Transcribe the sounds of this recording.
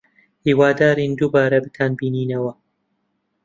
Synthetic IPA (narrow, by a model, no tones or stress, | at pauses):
hiːwaːd̪aːɾiːnd̪uːbaːɾɐbɨt̪ʰaːnbiːniːnɐwɐ